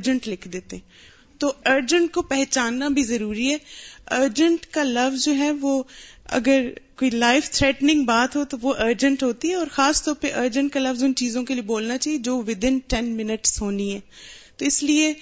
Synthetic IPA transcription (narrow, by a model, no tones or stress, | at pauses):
d͡ʒə̃ɳʈlɪkʰd̪eːt̪eɦɛ̃ | t̪oːəːɾd͡ʒə̃ɳʈ̚kopɛɦt͡ʃaːnːabʱizɐɾuːɾiɦɛːəːɾd͡ʒə̃ɳʈkalɐʋzd͡ʒoːɦɛːʋoːɐ̰ɡəɾkoːilaːɪft̪ʰɾɛːʈnɪ̃ŋɡbaːt̪ɦot̪oʋoʔəːɾd͡ʒə̃ɳʈɦoːt̪iɦɛɔːɾxaːst̪ɔːɾpeʔəːɾd͡ʒə̃ɳʈ̚kalɐʋzʊnt͡ʃiːzõkelieboːlnat͡ʃaːɦied͡ʒoːʋɪd̪ɪ̃nʈɛnmɪnəʈsɦoːniɦɛːt̪oːɪslie